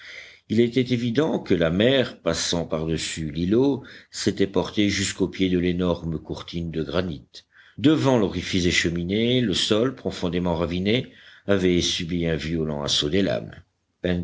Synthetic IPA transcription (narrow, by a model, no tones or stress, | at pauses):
ilɛt̪ɛt̪evid̪ɑ̃kəlamɛʁpasɑ̃paʁd̪əsyliloset̪ɛpɔʁt̪eʒyskopjed̪əlenɔʁmkuʁt̪ind̪əɡʁanit̪ | d̪əvɑ̃lɔʁifizeʃəmineləsɔlpχɔfɔ̃d̪emɑ̃ʁavineavɛsybiɛ̃vjɔlɑ̰̃a̰sod̪ela̰m | ɛn